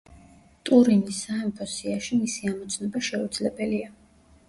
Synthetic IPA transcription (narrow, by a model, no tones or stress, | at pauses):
t̪ʼuɾinisːaɛmpʰɔsiaʃimisiamɔt̪sʰnɔbaʃɛud̪zlɛbɛlia